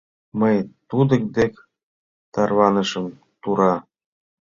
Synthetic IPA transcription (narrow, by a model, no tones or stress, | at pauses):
məjt̪ud̪ə̆k̚d̪ek | t̪ɑrβɑnəʃə̆m | t̪uɾɑ